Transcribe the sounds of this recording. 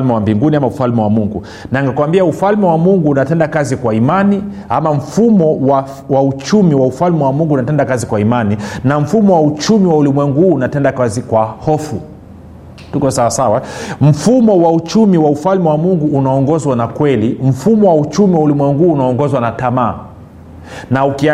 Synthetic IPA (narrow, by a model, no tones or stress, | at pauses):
lmɛwambiŋɡuniamaufalmɛwamuŋɡṵ | naŋɡakuwambiaufalmɛwamuŋɡuːnatɛndakazikwaimani | a̰maɱ̩fumɔwa | waut͡ʃumiwaufalmɛwamuŋɡuːnatɛndakazikwaimaninaɱ̩fumɔwaut͡ʃumiwaulimwɛŋɡuhuːnatɛndakazikwahɔfu | tukɔsawasawam̩fumɔwaut͡ʃumiwaufalmɛwamuŋɡuːnaɔŋɡɔzwanakwɛlim̩fumɔwaut͡ʃumiwaulimwɛŋɡuːnaɔŋɡɔzwanatamaː | nauki